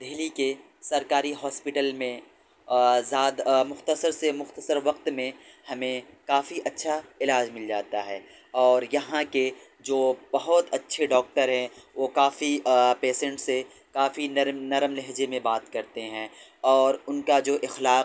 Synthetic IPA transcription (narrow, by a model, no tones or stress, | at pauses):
d̪eɦlike | sɐɾkaːɾiɦɔːspɪʈəlmẽ | zaːd̪mʊxt̪əsəɾsemʊxt̪əsəɾʋɐq̚t̪mẽhɐmẽkaːfiʔɐtːʃʰaɪlaːd͡ʒmɪld͡ʒaːt̪aɦɛː | ɔːɾjɐɦãke | d͡ʒoːb̥ɐɦʊt̪ɐtːʃʰeɖɔːk̚ʈəɾɦɛ̃ʋoːkaːfipeːsɛ̃ɳʈse | kaːfinɐɾnɐɾəmlɛɦd͡ʒemẽbaːt̪kɐɾt̪eɦɛ̃ːɔːɾʊnkad͡ʒoːʔɪxlaːq